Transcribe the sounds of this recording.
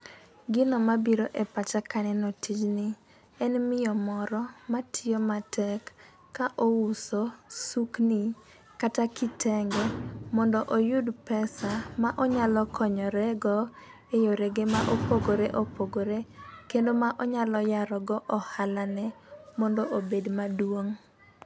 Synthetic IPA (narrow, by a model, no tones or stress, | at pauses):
ɡɪnɔmabiɾoʔepat͡ʃakanɛnotid͡ʒnɪ | ɛnmɪjɔmɔɾɔmatʰɪjomatʰɛkː | aʔousosukni | katakɪtʰɛŋɡɛmɔndɔʔojudpɛsamaʔɔɲalɔkʰɔɲɔɾɛɡɔ | ejoɾeɡemaʔopoɡoɾeʔopoɡoɾekendomaʔɔɲalɔjaɾɔɡɔʔɔhalanɛmɔndoʔobedmadwoŋ